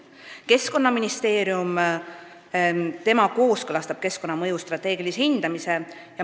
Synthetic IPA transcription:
ke̞sko̞nːɑminist̪e̞ːɾium | t̪e̞mɑko̞ːskɤlɑst̪ɑb̥ke̞skonːɑmɤjust̪rɑt̪ːˑe̞ːɡ̥ilishind̪̥ɑmise̞ | jɑ

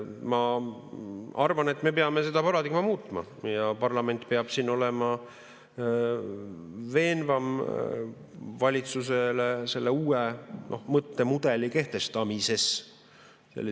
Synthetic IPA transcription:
mɑ | ɑrvɑne̞t̪ːˑme̞peɑme̞se̞d̪̥ɑpɑɾɑd̪ikmɑmuːt̪ˑmɑ̰ | jɑpɑrlɑme̞nt̪ˑpeɑb̥sino̞le̞mɑ | ve̞ːnvɑm | vɑlʲit̪suse̞lese̞lːeuːenʔo̞hmɤt̪ːe̞mud̪̥e̞like̞ht̪e̞st̪ɑmise̞s | sḛlːi

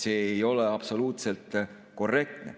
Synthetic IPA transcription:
se̞ːejo̞leɑpso̞luːt̪se̞lt̪ˑ | ko̞rːe̞k̚t̪ne̞̰

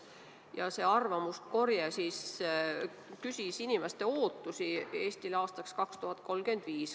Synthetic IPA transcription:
jɑse̞ːɑrvɑmust̪ko̞rjɑsis | kysʲisinimest̪e̞o̞ːt̪ːˑusie̞ːst̪ilɑːst̪ɑkskɑkst̪uhɑt̪̚ˑko̞lɡ̥yend̪̥viːs

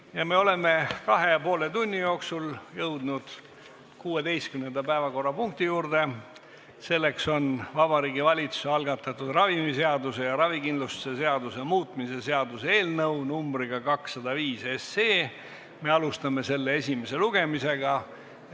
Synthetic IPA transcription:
jɑme̞o̞le̞me̞kɑɦe̞jɑpo̞ːle̞t̪unʲːijo̞ːksuljɤwd̪̥nud̪̥ | kuːe̞d̪e̞jst̪kymne̞nd̪ɑpæevɑko̞rːɑpuŋk̚t̪ijuːrd̪̥e̞ | se̞lːe̞kso̞nvɑbɑɾiːɡivɑlʲit̪su̥seɑlɡ̥ɑt̪ːˑɑt̪ːud̪̥rɑvimise̞ɑd̪use̞jɑɾɑvikind̪lust̪use̞se̞ɑd̪use̞muːt̪ˑmise̞se̞ɑd̪usee̞ːlnɤwnumbɾiɡ̥ɑkɑksːɑd̪̥ɑviːseseː | me̞ɑlust̪ɑme̞se̞lːee̞sʲime̞se̞luɡ̥e̞mise̞ɡ̥ɑ

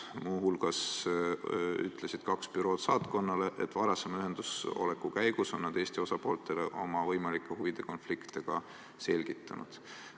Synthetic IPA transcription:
muːɦulɡ̥ɑs | y̰t̪ːˑle̞sid̪̥kɑkspyɾo̞ːd̪̥sɑːt̪ko̞nːɑleʔḛt̪ːˑvɑɾɑsemɑyɦe̞nd̪̥uso̞̰le̞kːˑukæjɡ̥uso̞nːɑd̪̥e̞ːsʲt̪io̞sɑpo̞ːlt̪ːˑe̞le̞ʔo̞mɑvɤjmɑlikːˑe̞huvid̪̥e̞ko̞nflikt̪e̞ɡ̥ɑ | se̞lʲɡ̥it̪ːˑɑnṵd̪̥

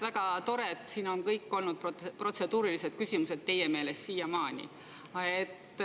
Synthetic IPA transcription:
væɡ̥ɑt̪o̞ɾet̪siːno̞nkɤjkːˑo̞lnud̪̥̚ppro̞t̪se̞d̪uːɾilise̞d̪̥̚kysʲimuse̞d̪̥̚t̪e̞jeme̞ːle̞sːiːjɑmɑːnʲḭ | ɑet̪ːˑ

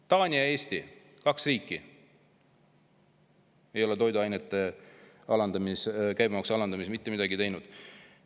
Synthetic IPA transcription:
t̪ɑːnʲiɑe̞ːst̪i | kɑksriːkːˑi | e̞jo̞lɛt̪o̞jd̪uɑjnet̪ːˑe̞ | ɑlɑnd̪̥ɑmiskæjbɑmɑksɑlɑnd̪ɑmismit̪ːe̞mid̪ɑɡit̪e̞jnud̪̥

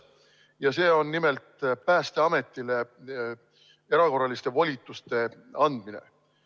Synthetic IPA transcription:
jɑse̞ːo̞nːime̞lt̪pæːst̪e̞ɑme̞t̪ːˑile̞ | e̞ɾɑko̞rːɑlist̪e̞volʲit̪ːˑust̪e̞ɑnd̪̥minḛ

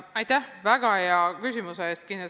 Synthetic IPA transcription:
ɑjt̪æhvæɡ̥ɑjɑkysʲimuseeːst̪kine

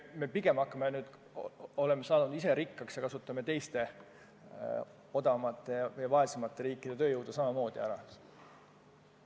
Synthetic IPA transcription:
me̞piɡ̥e̞mɑkːˑɑmenyːd̪̥ | o̞le̞mːesɑːnud̪ise̞ɾikːɑksjɑkɑsut̪ːˑɑme̞t̪e̞jst̪e̞ | o̞d̪ɑmɑt̪ːˑe̞jɑjɑvɑesimɑt̪ːˑe̞ɾiːkːˑid̥̪e̞t̪ø̞ːjɤwd̪̥ɑsɑmɑmo̞ːd̪̥iɑɾɑs

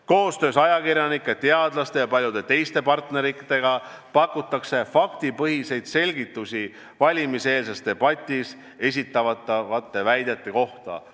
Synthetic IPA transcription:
ko̞ːst̪ø̞ːsɑjɑkiɾjɑnikˑːet̪ːe̞ɑd̪lɑst̪e̞jɑpɑlʲjud̪e̞t̪e̞jst̪e̞pɑrt̪ne̞ɾikːit̪e̞ɡ̥ɑ | pɑkːˑut̪ːˑɑkse̞fɑkt̪ipɤɦise̞jd̪̥se̞lʲɡit̪ːˑusʲi | vɑlʲimise̞ːlse̞st̪e̞b̥ɑt̪ʲːˑis | e̞s̬ʲit̪ːˑɑvɑt̪ːˑvɑt̪ːe̞væjd̪e̞t̪ːˑe̞ko̞ht̪ɑ̰

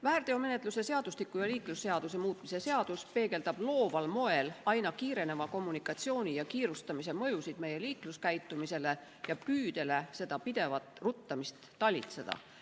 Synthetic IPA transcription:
væːrd̪̥e̞ome̞net̪ːˑluse̞se̞ɑd̪̥ust̪ikːˑujɑliːklusːe̞ɑd̪̥us̬e̞muːt̪ˑmise̞se̞ɑd̪̥uspe̞ːɡ̥e̞ld̪̥ɑb̥lo̞ːvɑlmo̞e̞lɑjnɑkiːɾe̞ne̞vɑko̞mːunikːˑɑt̪sio̞ːnʲijɑkiːɾust̪ɑmise̞mɤ̞jusid̪̥me̞je̞liːkluskæjt̪ːˑumise̞le̞ | jɑpyːd̪e̞le̞se̞d̪̥ɑpid̪̥e̞vɑt̪ˑrut̪ːɑmist̪ːɑlʲḭt̪se̞d̪̥ɑ̰

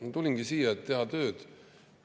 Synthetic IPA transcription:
t̪ulʲiŋɡisiːjɑet̪ːe̞ɦɑt̪ø̞ːd̪̥

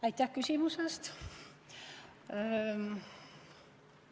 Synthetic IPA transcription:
æit̪ːækysimusest̪

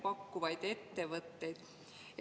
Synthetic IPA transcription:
pɑkːuvɑjd̪̥e̞t̪ːe̞vɤt̪ːe̞jd̪̥

